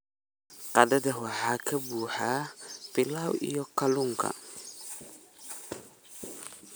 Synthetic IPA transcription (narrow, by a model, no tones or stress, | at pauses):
qɐdɐdɐwɑħaːkʰɐbuːħab̥ɪlaːwḭjɔkʰɐlʊŋkʰɐ̰